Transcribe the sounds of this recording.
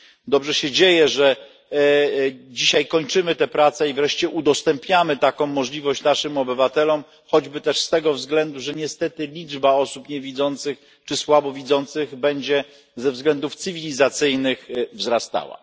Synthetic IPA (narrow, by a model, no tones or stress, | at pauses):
d̪ɔbʐɛɕɛd͡ʑejɛʐɛ | d͡ʑiɕajkɔɲt͡ʂɘmɘt̪ɛpɾat̪sɛivɾɛʂt͡ɕɛʔud̪ɔst̪ɛmpɲamɘt̪akɔ̃w̃ːɔʐlʲivɔɕt͡ɕnaʂɘmɔbɘvat̪ɛlɔm | xɔd͡ʑbɘt̪ɛʂst̪ɛɡɔvzɡlɛnd̪uʐɛɲɛst̪ɛt̪ɘlʲid͡ʐbaɔsupɲɛvʲid̪zɔnt̪sɘx | t͡ʂɘswabɔvʲid̪zɔnt̪sɘɣbɛɲd͡ʑɛ | zɛvzɡlɛnd̪uft̪sɘvʲilʲizat̪sɘjnɘxvzɾast̪a̰wa̰